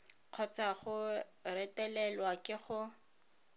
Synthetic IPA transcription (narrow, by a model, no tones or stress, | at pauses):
q͡χʰɔt͡saχʊrɛtɛlɛlwakʼɪχʊ